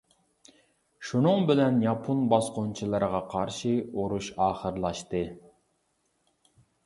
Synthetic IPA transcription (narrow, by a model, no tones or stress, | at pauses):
ʃunɨŋbɪlɛnjɑpʰonbɑsqont͡ʃʰɨlˠɨɾəʁɑqʰɑɾʃɨoɾuʃɑːχəɾlˠɑʃt̪ɨ